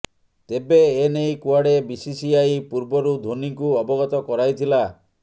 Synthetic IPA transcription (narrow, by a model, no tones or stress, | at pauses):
t̪ebeːnejkuaɽebisisiajpuɾbɔɾud̪ʱoniŋkuɔbɔɡɔt̪ɔkɔɾajt̪ʰila